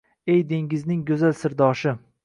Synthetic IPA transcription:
ejd̪e̞ŋɪznɪŋɡɵzalsɪɾd̪ɒʃɪ

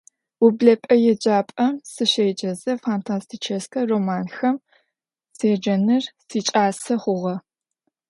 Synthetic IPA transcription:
ubɮɐpʼɐjɛd͡ʒʼaːpʼɐmsɨʃɐjd͡ʒʼɐzɐfaːntʰaːstʰit͡ʃʰɐskʰɐroːmaːnxɐm | seːd͡ʒɐnɨrsiːt͡ʃʼaːsɐχʷʊʁɐ

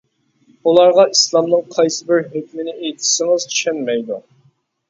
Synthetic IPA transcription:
ulˠɑɾʁɑʔislˠɑmnɨŋqʰɑjsɨbɪɾhøkʲmɪnɪejt̪ʰi̥ʃɪŋɨz̥t͡ʃʰy̥ʃɛnmɛjd̪u

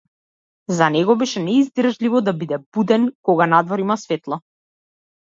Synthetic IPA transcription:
zanɛɡɔbɛʃɛnɛizd̪r̩ʒlivɔd̪abid̪ɛb̥ud̪ɛnkɔɡanad̪vɔɾimasvɛt̪lˠa

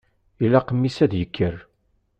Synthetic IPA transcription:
ilːæqəmːisæðjəkʰːər

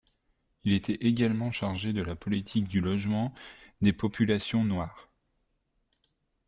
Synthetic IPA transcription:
ilet̪ɛʔeɡʲalmɑ̃ʃaʁʒed̪əlapɔlit̪ʰikd̪ylɔʒmɑ̃d̪epɔpylasjɔ̃nwaːʁ

